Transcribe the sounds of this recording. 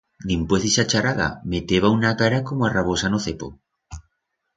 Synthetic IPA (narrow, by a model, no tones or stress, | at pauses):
d̪impweθisat͡ʃaɾaða̰met̪eβaunakaɾakomoaraβosanoθepo̰